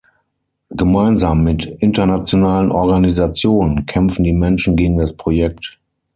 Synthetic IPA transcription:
ɡ̥əmaɪnzaːmːɪtʔɪntɐnat͡sjonaːlənʔɔɐɡanizat͡sjoːnənkʰɛmp͡fn̩diːmɛnʃn̩ɡeːɡŋ̩daspʁ̥ojɛk̚t

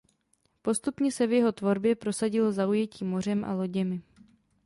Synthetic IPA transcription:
po̞st̪upɲɛsɛvjɛɦo̞t̪vo̞ɾbjɛpɾo̞saɟɪlozaujɛciːmo̞r̝ɛmʔa̰lo̞ɟɛmɪ

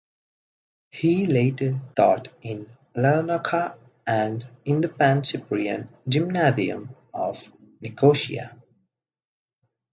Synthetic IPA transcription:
hileɪtə˞θɔ̰tɪ̃n | lɛnəkʰə | ə̃ndɪ̃nðəpæ̃nsɪpɹiɨ̰̃nd͡ʒɪ̃mnaziə̰̃m | ʌv̥nɪkʰoʃḭə̰

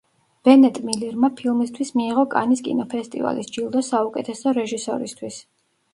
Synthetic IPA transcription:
b̥ɛnɛt̪ʼmiliɾmapʰilˠmist̪ʰwismiːʁɔkʼa̰niskʼḭnɔpʰɛst̪ʼḭva̰lḭsd͡ʒilˠd̪ɔsaukʼɛt̪ʰɛsɔɾɛʒisɔ̰ɾist̪ʰwis

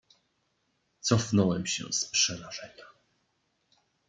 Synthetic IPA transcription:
t̪sɔfnɔwɛmɕɛ̰̃spʂɛɾaʐɛɲa

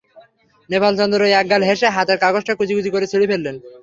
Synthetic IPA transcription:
nepalt͡ɕɔnd̪oɾojɛk̚ɡalɦeʃeɦat̪eɾkaɡosʈakut͡ɕʰikut͡ɕʰikoɾet͡ɕʰeɽipʰelːen

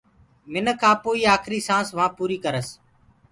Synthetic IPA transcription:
mɪnkʰãːpoːiːaːkʰɾiːsãːsʋãːpuːɾiːkəɾəs

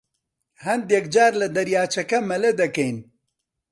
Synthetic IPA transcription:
hɐnd̪jɛkd͡ʒaːɾlɐd̪ɐɾjaːt͡ʃɐkɐmɐlɐd̪ɐkɐjn

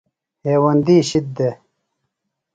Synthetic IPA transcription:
heːwɐnd̪iːɕit̪̚d̪e

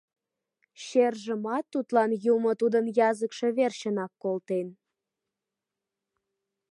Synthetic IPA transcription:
ɕerʒəmɑt̪ːut̪lɑnjumot̪ud̪ənjɑzəkʃe̽βerɕənɑkːolt̪en

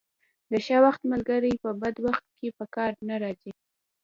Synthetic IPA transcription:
d̪əʃawaxt̪malɡaɾəjpəbad̪waxt̪̚kepəkɑɾnaɾɑzi

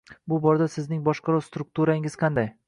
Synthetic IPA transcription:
bʊbɒɾad̪asɪznɪŋbɒʃqɑɾɒst̪ɾʊk̚t̪ʰuɾaɪŋɪz̥qʰɑnd̪aj

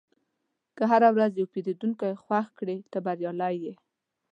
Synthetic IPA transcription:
kəɦaɾawɾazjawpeɾed̪uŋkajxwaxkɽet̪əbaɾjɑlajːe

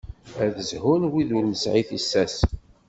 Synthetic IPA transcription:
æðəzhʊnwiðulnəsʕiθisːæs

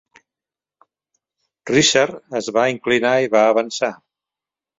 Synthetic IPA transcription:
riʃaɾəzβaiŋklinaiβaəβənsa

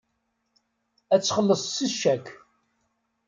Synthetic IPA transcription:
æt͡sːχəlːəsˤsiʃækː

